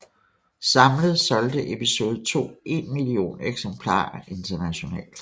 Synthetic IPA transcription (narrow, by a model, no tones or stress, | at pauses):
sɑ̈mləð̞̩ˠsɒ̽ld̥əʔe̝piso̝ːð̞̩ˠt͡sʰo̝̰ːe̝nmilio̝̰ːneɡ̥sempʰlɑ̰̈ːʔe̝nt͡sʰɐnæɕo̝nɛ̰ːld̥